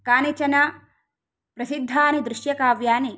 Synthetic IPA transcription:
kaːnit͡ʃɐna | pɾɐsid̪ʱːaːnid̪ɾuʃjɐkaːʋjaːni

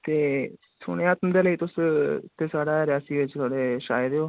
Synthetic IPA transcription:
t̪eː | sʊ̰ːɽ̃eaːt̪md̪eːləiːt̪ʊst̪eːsaːɽaːɾɪjaːsiːʋɪt͡ʃt̪ʰoːɽeːʃaːjəɾoː

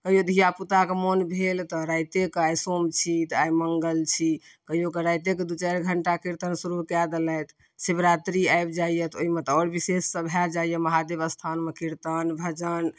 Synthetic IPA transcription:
kəɦijod̪ʱijaput̪akemonbʱelt̪ɔɾajt̪ekeajsomt͡ʃʰit̪ajməŋɡəlt͡ʃʰi | kəɦijokeɾajt̪ek̬ed̪ut͡ʃɛɾɡʱəɳʈakiɾt̪ənsuɾukɛd̪lɛjt̪ | sibɾat̪ɾiajbd͡ʒaijət̪oimet̪ɔɾbisesːəbʱjad͡ʒaijɛməɦad̪ebəst̪ʰanmekiɾt̪ənbʱəd͡ʒən

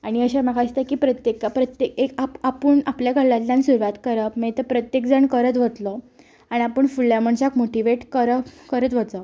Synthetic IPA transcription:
aɽ̃iəɕamaɡast̪akiːpɾət̪jekapɾət̪jekekaapəɳapljaɡʱəɭːat̪lãnsuɾʋat̪kəɾəpmet̪əpɾət̪jekd͡zəɳkəɾət̪ʋət̪lə | aɽ̃iapəɳfuɭjam̤əɳɕakmoʈiʋeʈkəɾəkəɾət̪ʋət͡sə

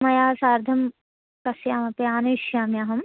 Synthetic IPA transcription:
mɐjaːsaːɾd̪ʱɐm | kɐsjaːmɐpeaːnuʃjaːmjaːɦɐm

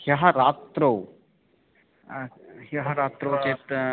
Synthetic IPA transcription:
hjɐɦɐɾaːt̪ɾɐw | hɐɦɐɾaːt̪ɾɐwt͡ʃeːt̪

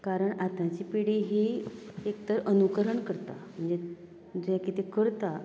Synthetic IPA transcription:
kaɾəɳat̪nãt͡ɕiːpiɽiɦiekt̪əɾʔənukəɾəɳkəɾt̪a̰m̤əɳd͡ze | d͡zujãkit̪ikəɾt̪a

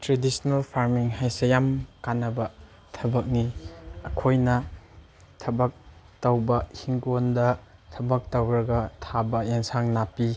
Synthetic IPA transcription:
tɾedisnɐlpʰaɾmiŋɦajsejamkanɐbɐ | tʰɐbɐk̚niɐkʰojnɐ | tʰɐbɐk̚tɐwbɐhiŋɡondɐtʰɐbɐk̚tɐwɾɐɡɐtʰabɐeŋsaŋnapi

